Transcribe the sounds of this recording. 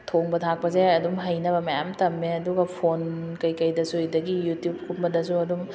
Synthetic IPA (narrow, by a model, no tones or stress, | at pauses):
tʰoŋbɐtʰak̚pɐzeɐdumɦɐjnɐbɐmɐjamtɐmːeɐduɡɐpʰonkɐjkɐjdɐsuɐjdɐɡijutjub̚kʰumbɐdɐsuɐdum